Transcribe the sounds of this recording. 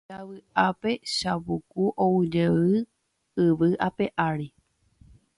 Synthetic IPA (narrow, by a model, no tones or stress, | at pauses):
aʋɨape̞ʃaβukuʔowɨd͡ʒeɨ | ɨʋɨʔape̞ʔaɾi